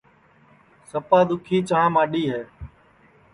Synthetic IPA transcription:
səpaːd̪ʊkʰiːt͡ʃãːmaːɗiːɦeː

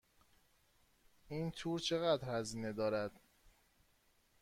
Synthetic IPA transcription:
ʔiːnt̪ʰuːɾt͡ʃʰe̞ɣæd̪ɾhæziːne̞d̪ɒːɾæd̪̥

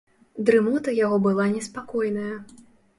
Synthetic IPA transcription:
d̪ɾɨmut̪ɐjaɣɔbɨlˠanʲɛspakɔjnɐjɐ

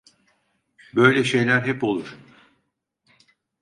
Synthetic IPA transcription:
bø̞jlʲɛʃe̞jlʲæɾɦɛpo̞lˠuɾ̥

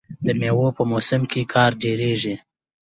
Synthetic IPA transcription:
d̪əmewopəmosɪmkekʰɑɾd͡ʒoɾeʒi

